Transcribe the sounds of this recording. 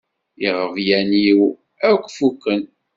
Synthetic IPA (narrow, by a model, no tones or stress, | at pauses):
jəʁəvjæniw | ækʷfukːən